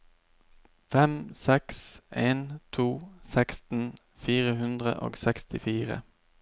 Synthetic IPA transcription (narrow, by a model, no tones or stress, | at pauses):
fɛmsɛksʔeːnt̪ʰuːsɛkst̪n̩ | fiːʁəhʉnd̪ʁə̰ʔo̰ːɡsɛkst̪ɪfiːʁə̰